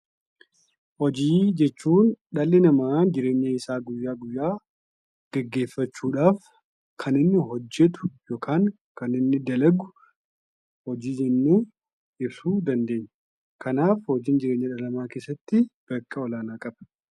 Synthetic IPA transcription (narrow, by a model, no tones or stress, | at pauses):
hɔd͡ʒiːd͡ʒɛt͡ʃːuːnᶑɐlːɛnɐmaːd͡ʒɪɾe̞ːɲːɐɪsaːɡʊjːaːɡʊjːaː | ɡ̥ɛɡːe̞ːfːɐt͡ʃːuːᶑaːf | kʰɐnɪnːɪɦɔd͡ʒːɛt̪ʊ̥joːkʰaːŋ | kɐnɪnːɪd̪ɐlɐɡʊ̥ | hɔd͡ʒiːɪnːu | ɪbsuːd̪ɐnd̪e̞ːɲːɐ̥ | kʰɐnaːfhɔd͡ʒɪːnd͡ʒɪɾe̞ːɲːɐᶑɐlɐmaːke̞ːsːɐt̪ːɪb̥ɐkːɐɔlaːnaːkʼɐbɐ̥